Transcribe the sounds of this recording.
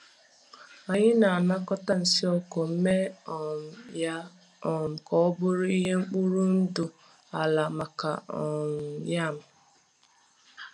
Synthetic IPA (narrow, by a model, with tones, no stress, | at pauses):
a˨ɲɪ˦na˨a˨na˦kɔ˦ta˦n̩˨si˦ɔ˦ko˨m̩˦me˦˨m˨ja˦ | ɔ˨m̩˨kɔ˦ɔ˦bʊ˦ɾʊ˦i˦ɦe˦ŋ͡m̩˦k͡pu˦ɾu˦n̩˦dʊ˨ | a˨la˨ma˨ka̰˨ɔ˨n̩˨ja˦˨m̩˨